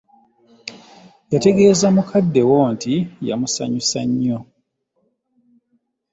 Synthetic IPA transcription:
jate̞ɡe̞ːzamukʰadːe̞woːntija̰musa̰ɲusaɲːo

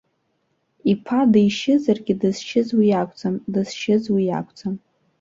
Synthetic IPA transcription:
ipʰadajʃɪzarɡʲɪdɨz̥t͡ʃʰɪzwijakʷʼd͡zʼamdɨzt͡ʃʰɪzwija̰kʷʰʼt͡sʼam

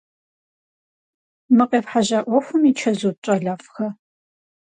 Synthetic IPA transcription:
mɨqʼeːpħaʑaːʔʷɔfʷʊmit͡ʃʰɐzoːt͡ʃʼɐɮaːfʼxɐ

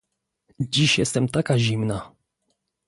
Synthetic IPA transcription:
d͡ʑiɕjɛst̪ɛmt̪akaʑimna

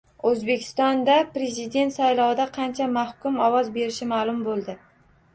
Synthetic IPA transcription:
ɵzbe̞kʲʰɪ̥st̪ɒnd̪apɾe̞zɪd̪e̞nt̪sajlˠɒwɪd̪aqʰɑnt͡ʃʰamahkʊmɒwɒzbe̞ɾɪʃɪmalˠʊmbolˠd̪ɪ

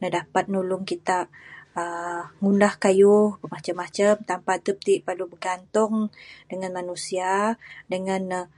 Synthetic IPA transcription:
nadapat̪̚nulʊŋkit̪aʔəŋundahkajʊhbəmat͡ʃamːat͡ʃəmt̪ampat̪əp̚t̪iʔpəlubəɡant̪ʊŋdəŋãnmanusiadəŋan

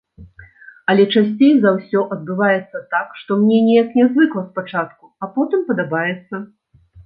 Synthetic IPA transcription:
ɐlʲɛt͡ʂasʲt͡sʲejzawsʲɔʔɐd̪̚bɨvajɛt̪sːɐt̪akʂt̪ɔmnʲɛnʲɛjɐknʲɛzvɨklˠɐspat͡ʂat̪kuapɔt̪ɨmpɐd̪abajɛt̪sːɐ

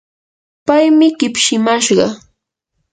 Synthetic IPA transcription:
pajmɪɢɪpʃɪmaʃɢɑ̰

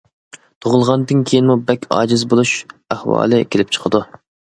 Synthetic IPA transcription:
t̪ʰoʁʊlˠʁɑnd̪ɨnkʲʰejinmubɛkʲɑ̰ːd͡ʒɪzbolˠuʃæhwɑ̰ːlˠɨkʲʰelɪp̚t͡ʃʰə̥qʰəd̪u

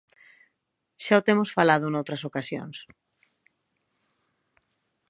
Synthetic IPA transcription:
ʃaot̪emosfalað̞ʊnowt̪ɾɐsokasjo̰ŋs

